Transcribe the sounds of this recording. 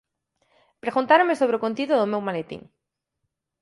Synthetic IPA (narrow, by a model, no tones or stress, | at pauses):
pɾeɣunt̪aɾõmesoβ̞ɾeokont̪iðoðomewmalet̪ḭ̃ŋ